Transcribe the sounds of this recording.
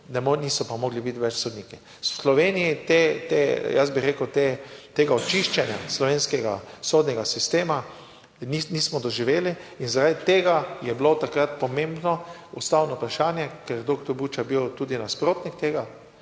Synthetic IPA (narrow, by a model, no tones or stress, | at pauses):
nɛmnisɔpamoːɡlibit̪ʋɛt͡ʃsod̪niːki | slɔʋeːnijit̪et̪ejas̬biɾekəwt̪et̪eːɡaɔt͡ʃiʃt͡ʃɛnja̰slɔʋeːnskɛɡa̰sod̪nʲɛɡasist̪eːma | niniːsmɔd̪ɔʒiʋeːliinzaɾad̪t̪eːɡajɛblot̪akɾat̪pɔmẽmbnɔust̪awnɔpɾaʃaːnjɛkɛɾd̪okt̪ɔɾbuːt͡ʃabiwt̪uːd̪inaspɾoːt̪nʲik̚t̪eːɡa